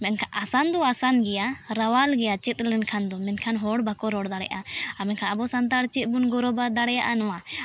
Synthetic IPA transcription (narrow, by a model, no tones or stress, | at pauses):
mɛnkʰaʔasand̪ɔasanɡɛjaɾawalɡɛjat͡ʃɛt̪̚ˀlɛnkʰand̪ɔmɛnkʰanɦɔɽbakɔɾɔɽd̪aɽɛ̰ʔaamɛkʰaabɔsant̪̬aɾt͡ʃɛt̪̚bunɡɔɾɔbad̪aɽɛjaʔanɔwa